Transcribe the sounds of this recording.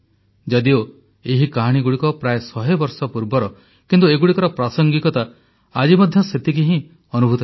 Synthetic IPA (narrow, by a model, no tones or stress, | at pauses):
d͡ʒad̪io | eɦikaɦaɽ̃iɡuɽikɔpɾajesɔɦebɔɾsɔpuɾbɔɾɔ | kint̪ueɡuɽikɔɾɔpɾasɔŋɡikɔt̪a | ad͡ʒimɔd̪ʱjɔset̪ik̬iɦĩ | ɔnubʱut̪ɔ